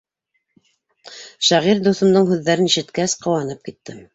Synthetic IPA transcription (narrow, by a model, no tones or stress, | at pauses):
ʃæʁiɾd̪uθɤ̆md̪ɤɴhʉðːæɾɘniʃɘ̆t̪kæsqɤ̆wɑn̪ɤp̚kit̪ːɘ